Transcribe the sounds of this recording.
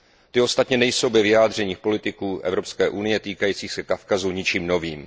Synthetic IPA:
t̪ɪo̞st̪at̪ɲɛnɛjso̞wbɛvɪjaːd̪r̝ɛɲiːxpo̞lɪt̪ɪkuːʔɛ̰vɾo̞pskɛːʔunɪjɛt̪iːkajiːt͡siːxsɛkafkazuɲɪt͡ʃiːmno̞viːm

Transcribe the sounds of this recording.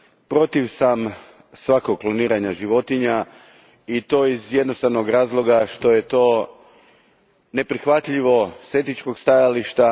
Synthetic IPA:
pɾo̞t̪iʋsam | sʋako̞ɡ̚klˠoniːɾaɲaʒiʋo̞t̪iɲa | it̪o̞ːizje̞d̪no̞st̪aʋno̞ɡɾaːzlˠo̞ɡaʃt̪o̞je̞t̪o̞ː | ne̞pɾixʋat̪ʎiʋo̞set̪it͡ʃko̞ɡst̪ajaliʃt̪a

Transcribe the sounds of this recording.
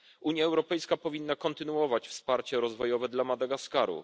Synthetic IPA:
ʔuɲjaɛwɾɔpɛjskapɔvʲinːakɔnt̪ɘnuɔvat͡ɕfspaɾt͡ɕɛɾɔzvɔjɔvɛd̪lamad̪aɡaskaɾṵ

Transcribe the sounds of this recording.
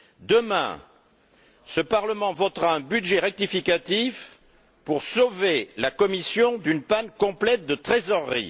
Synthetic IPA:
d̪əmɛ̰̃ | səpaʁləmɑ̃vɔt̪ʁaɛ̃byd̪ʒeʁɛk̚t̪ifikat̪if | puʁsovelakɔmisjɔ̃d̪ynpankɔ̃plɛt̪̚d̪ət̪χezɔʁːḭ

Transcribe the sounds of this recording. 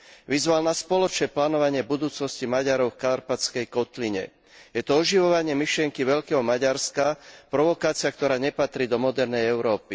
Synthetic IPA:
ʋizʋalnaspɔlɔt͡ʃnɛːplaːnɔʋaɲɪɛbud̪uːt͡snɔscimaɟaɾɔʊfkaɾpat͡skɛjkɔt̪liɲɛ̰ | jɛt̪ɔɔʒiʋɔʋaɲɪɛmiʃlɪɛŋkiʋɛʎkɛːɦɔmaɟaɾskapɾɔʋɔkaːt͡siak̚t̪ɔɾaːɲɛpat̪ɾiːd̪ɔmɔd̪ɛɾnɛjɛʊɾɔːpi

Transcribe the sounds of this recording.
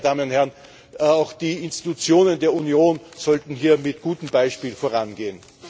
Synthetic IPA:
d̥aːmənʊnthɛɐʁn | aʊxd̥iːɪnstitut͡sjoːnəndeːɐunjoːnz̥ɔltn̩ɦiːɐmɪtɡ̥uːtəm̩baɪʃpiːlfoːɐʁanɡeːən

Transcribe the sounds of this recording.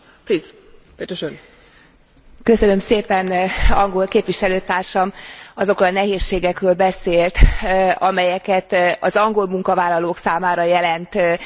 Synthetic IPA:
pliːz | pet̪øʃøn | kø̞sø̞nø̞mseːpɛnɒŋɡo̞lkeːpʋiʃɛløːt̪aːrʃɒmɒzo̞krolnɛɦeːʃːeːɡɛkrøːlbɛseːlt̪ɒmɛjɛkɛt̪ɒzɒŋɡo̞lmuŋkɒvaːlːɒloːksaːmaːɾɒjɛlɛnt̪

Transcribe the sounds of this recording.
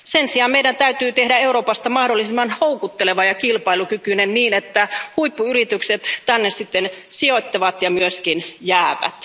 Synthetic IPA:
sensiɑmmeiɾænt̪æyt̪yːt̪ehdæeuɾoːpɑst̪ɑmɑhdolːisimːɑnhoukut̪ːeleʋɑjɑkilpɑilukykynenniːnet̪ːæhuipːuyrit̪ykset̪t̪ænːessit̪ːensiot̪ʲːɑʋɑt̪jɑmyøskinjæːʋæ̰t̪

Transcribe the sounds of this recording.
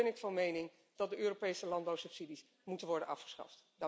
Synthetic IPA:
ɛnɪkfɑnmejnɪŋ | d̥ɑt̚dəʔøːropejsəlɑnbawsɵpsidis | mutənʋɔɹdənɑfχə̥sχɑ̰ftdɑ

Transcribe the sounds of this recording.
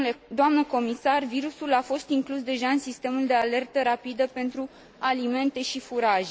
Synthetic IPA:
d̪oamnəko̞misarviɾusulafo̞st̪iŋklusd̪e̞ʒaɨnsist̪e̞muld̪e̞ale̞rt̪əɾapid̪əpe̞nt̪ɾu | alime̞nt̪e̞ʃifuɾaʒ

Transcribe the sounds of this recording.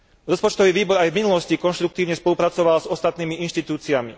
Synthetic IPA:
ɾɔspɔt͡ʃt̪ɔʋiːʋiːbɔɾajvminulɔscikɔnʃt̪ɾukt̪iːʊɲɛspɔlupɾat͡sɔʋalzɔst̪at̪niːmiinʃt̪it̪uːt͡siamḭ

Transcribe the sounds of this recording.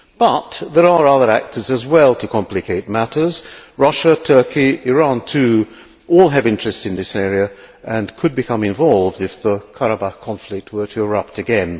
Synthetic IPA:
b̥ʌt̪̚ðə˞ə˞ʌðə˞æ̰k̚tʰə˞zɨzwɛlˠtʰɨkʰɑ̃mplɨkʰeɪt̚mæɾə˞zɹʌʃətʰɜ˞kiɪɹɑ̃ntʰʉ | ɔlˠɨvɪ̃nt͡ʃɹ̥ɨstɨ̃nðɪsɛɹiɨʔɨ̃nkʰɨd̚bɨkʰʌ̃mɨ̃ɱvɑlˠvdɨfðəkʰaɹəbakʰɑ̃ɱflɪk̚t̚wə˞ɾʰɨəɹʌp̚tɨɡɛ̃n

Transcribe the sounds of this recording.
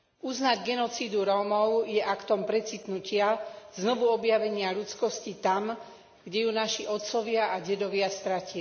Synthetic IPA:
uznaɟɡɛnɔt͡siːd̪uɾɔːmɔʊjɛʔakt̪ɔmpɾɛt͡sit̪nucɪaznɔʋuɔbjaʋɛɲɪaʎut͡skɔscit̪am | ɡɟɛjunaʃiʔɔt̪t͡sɔʋɪaʔaɟɛd̪ɔʋɪast̪ɾaci

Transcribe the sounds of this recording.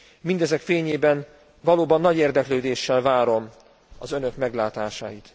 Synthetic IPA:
mind̪ɛzɛkfeːɲeːbɛn | vɒloːbɒnːɒɟeːrd̪ɛkløːd̪eːʃːɛlvaːɾo̞m | ɒ̰zønø̞kmɛɡlaːt̪aːʃa̰ːjit̪

